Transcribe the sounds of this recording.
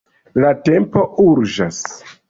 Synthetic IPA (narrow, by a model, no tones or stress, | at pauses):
late̞mpo̞ʔuɾd͡ʒas